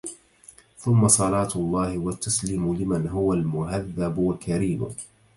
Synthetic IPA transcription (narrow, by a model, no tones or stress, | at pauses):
θʊmːɑsˤɑlɑːt̪lˤːɑːhɪwat̪ːasliːmʊlɪmanɦʊwalmʊɦaðːabwakaɾiːmʊ̰